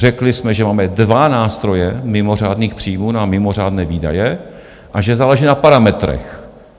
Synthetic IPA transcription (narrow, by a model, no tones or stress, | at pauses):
rɛklɪsmɛʒɛmaːmɛdvanaːst̪ɾo̞jɛmɪmo̞r̝aːdniːxpr̥iːmuːnamɪmo̞r̝aːdnɛːviːda̰jɛ | ʔaʒɛzaːlɛʒiːnapaɾamɛt̪ɾɛ̰x